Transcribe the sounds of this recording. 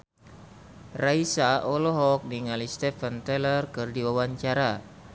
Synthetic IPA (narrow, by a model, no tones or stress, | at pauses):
raisaɔlɔɦɔk̚niŋalist̪efənt̪ɛlərkɨrdiwawaɲt͡ʃaɾa